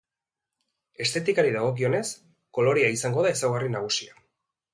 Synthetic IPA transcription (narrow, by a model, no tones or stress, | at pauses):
e̞st̪e̞t̪ikaɾiðaɣ̞o̞k̬io̞ne̞s | ko̞lo̞ɾiaisaŋɡo̞ðaesawɣarinaɣ̞usia